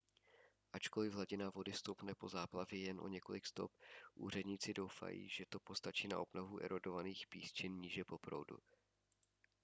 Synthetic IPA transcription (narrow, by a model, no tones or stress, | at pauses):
ʔat͡ʃko̞lɪvɦlaɟɪnavo̞dɪst̪o̞wpnɛpo̞zaːplavjɛjɛnʔo̞̰ɲɛko̞lɪkst̪o̞p̚ʔṵːr̝ɛdɲiːt͡sɪdo̞wfa̰jḭːʒɛt̪o̞po̞st̪at͡ʃiːna̰ʔo̞bnovuʔɛ̰ɾodo̞vaniːxpiːst͡ʃɪnɲiːʒɛpo̞pɾo̰wdṵ